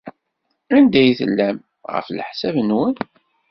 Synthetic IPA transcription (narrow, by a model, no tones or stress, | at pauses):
ænd̪æjθə̰lːæm | ʁə̰flħsævənwən